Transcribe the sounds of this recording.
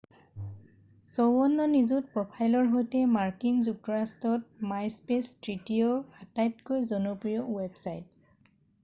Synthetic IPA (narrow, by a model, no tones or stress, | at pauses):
sowɔnːɔnizut̚pɹɔpʰajlɔɹɦojtɛmaɹkinzuk̚tɔɹastɔt̚majspestɹitijoatajtkojzɔnɔpɹijɔwebsajt